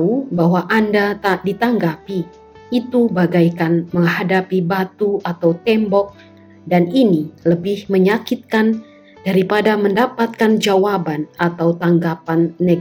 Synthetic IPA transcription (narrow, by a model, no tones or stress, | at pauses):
ubaɦwaʔandat̪adit̪aŋɡapi | it̪ubaɡajkanməŋɦadapibat̪uat̪awt̪ɛmbɔk̚ | daniniləbɪhməɲakit̪̚kan | d̥aɾipadaməndapat̪̚kand͡ʒawabanat̪awt̪aŋɡapanːe